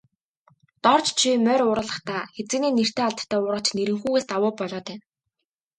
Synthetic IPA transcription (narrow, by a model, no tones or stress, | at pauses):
t̪ɔrt͡ɕt͡ɕʰimœːɾʊːɾə̆ɮə̆χt̪ʰaːxet͡sɘ̆neːner̥t̪ʰeːaɮt̪ʰːæːʊːɾə̆t͡ɕneɾɘ̆ŋxuːɣeːst̪awʊːpɔɮɔːt̪ʰæː